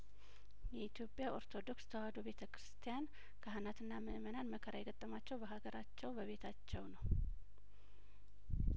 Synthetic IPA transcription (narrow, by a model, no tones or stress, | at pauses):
jɛit̪ʰjo̞pʼjaʔo̞ɾt̪ʰo̞d̪o̞kst̪ʰəwahd̪obe̞t̪ʰəkʰɾɨst̪ʰijan | kʰaɦɨnat̪ʰɨnːaməmənanməkʰəɾajɛɡət̪ʼːəmat͡ʃːɛwbəɦaɡəɾat͡ʃːɛwbəβe̞t̪ʰat͡ʃːɛwnəw